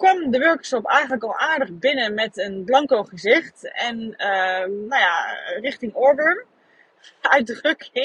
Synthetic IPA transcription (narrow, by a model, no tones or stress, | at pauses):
kʋɔmdəʋøɹkə̥sopɛjχəntləkɔlˠaːɹdəχbɪnəmɛtənblɑŋkowχəzɪχtɛnənajarɪχtɪŋɔɹdəɹn | œɥt̚drøkɪ